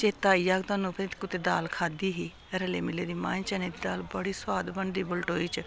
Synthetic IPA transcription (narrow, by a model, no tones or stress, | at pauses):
t͡ʃeːt̪aːiːjaːɡt̪aːnũːpeːt̪ːkʊt̪eːd̪aːlkʰaːd̪iːɦiː | ɾəleːmɪleːd̪iːmãːnt͡ʃəneːd̪iːd̪aːlbəɽiːswaːd̪bəɳɖ̪iːbʊlʈɦoːiːt͡ʃ